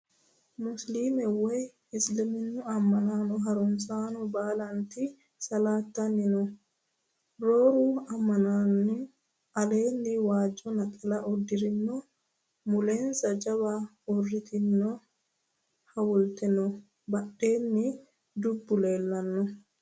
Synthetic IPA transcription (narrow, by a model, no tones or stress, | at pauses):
mʊsliːmɛwɛj | ɪslɪmɪnːʊɐmːɐnaːnɔɦɐɾɔnsaːnɔbaːlɐnt̪i | sɐlaːt̪ːɐnːɪnɔ | ɾoːɾuɐmːɐnaːnːɪ | ʔɐleːnːɪwaːd͡ʒɔnɐkʼɐlɐʔɔd̪ːɪɾɪnːɔ | mʊleːnsɐd͡ʒɐβa | ɔrːɪt̪ʰɪnːɔ | hɐwʊlt̪ɛnɔ | bɐɗeːnːɪ | d̪ʊbːʊle̞ːlːɐnːɔ